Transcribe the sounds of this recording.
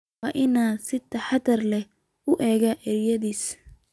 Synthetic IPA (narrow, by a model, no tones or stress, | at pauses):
ɑːʔɪnaːsɪt̪ʰɐħɑd̪ɐrlɛ | ʊʔɛːɣɐʔɛɾjɐðiːs